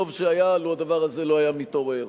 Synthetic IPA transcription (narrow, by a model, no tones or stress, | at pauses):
ovʃeajaluad̪avaʁazeloajamit̪o̞ʁe̞ʁ